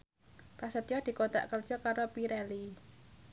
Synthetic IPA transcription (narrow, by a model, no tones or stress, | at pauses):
pɾasət̪jɔd̪̥i̤kot̪a̰ʔkərd̥ʒ̥ɔ̤kaɾopiɾɛli